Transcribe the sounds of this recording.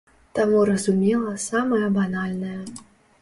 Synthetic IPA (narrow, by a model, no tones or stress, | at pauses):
t̪amuɾɐzumʲɛlˠɐsamɐjɐbanalʲnɐjɐ